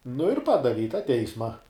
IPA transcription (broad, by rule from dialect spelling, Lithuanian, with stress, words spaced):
nʊ ɪr ˈpɑːdɐʋʲɪ ɪ tɑː ˈtʲɛɪsmɐ